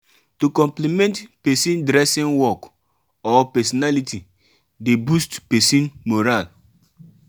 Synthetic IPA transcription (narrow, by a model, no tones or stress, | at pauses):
tokɔ̃mplimɛ̃ntpɛsĩndɾɛsĩnwɔk | ɔpɛsɔnaliti | debustpɛsĩnmoɾal